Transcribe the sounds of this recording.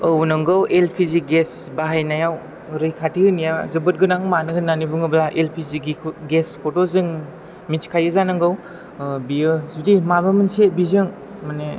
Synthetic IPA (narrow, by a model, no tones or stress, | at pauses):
əwnɯŋɡɯwelpʰiziɡesbaɦajnajaw | ɾɯjkʰatihɯnijazɯbɯt̚ɡɯnaŋmanɯɡɯnːanibɯŋɯblaʔelpʰiziɡiɡeskʰɔtɔzɯŋ | mit͡ʃkʰajɯzanɯŋɡɯw | biɯzudimabɯmɯnsebizɯŋ | mane